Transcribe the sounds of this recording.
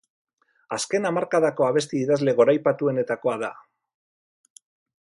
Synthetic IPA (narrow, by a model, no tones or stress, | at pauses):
aske̞namaɾkaðako̞aβ̞e̞st̪iiðazle̞ɣo̞ɾajpat̪ue̞ne̞t̪ako̞aða